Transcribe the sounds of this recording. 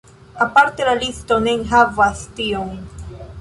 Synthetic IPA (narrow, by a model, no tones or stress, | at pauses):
apaɾt̪elalist̪oneŋɦavast̪ioŋ